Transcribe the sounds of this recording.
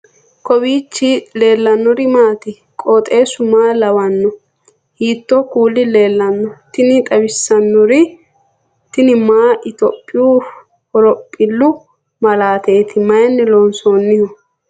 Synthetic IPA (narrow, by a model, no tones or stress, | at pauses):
kɔbiːt͡ʃːɪle̞ːlːɐnːɔɾɪmaːt̪ɪ | kʼoːt̪ʼe̞ːsʊmaːlɐwɐnːɔ | hiːt̪ːɔkuːlːɪle̞ːlːɐnːɔt̪ɪnɪt̪ʼɐbɪsːɐnːɔɾɪ | t̪ɪnɪmaːʔɪt̪ɔpʼːɪjuː | hɔɾɔpʼːɪlːʊ | mɐlaːt̪e̞ːt̪ɪmɐjɛnːɪloːnsoːnːɪhɔ